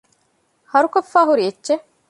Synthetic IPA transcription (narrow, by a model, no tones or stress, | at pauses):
hɐɾukofːaːɦuɾietːʃe